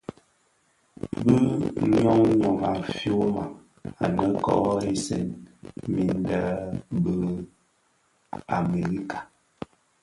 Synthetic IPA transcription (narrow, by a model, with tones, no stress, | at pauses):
bə˦ɲɔ˦ŋɲɔ˨ŋa˨fjo˦ma˨ | a̰˨nə˦kɔ̰˨˦e˦sɛ̰˦nmi˨n˦də˦bə˦ | a˨me˨ɾi˦kḁ˨